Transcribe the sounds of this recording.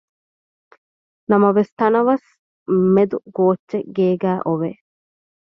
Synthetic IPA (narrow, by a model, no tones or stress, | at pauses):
nɐmɐʋest̪ɐnɐʋɐs | med̪uɡoːt͡ʃːʃːeɡeːɡæːʔoʋe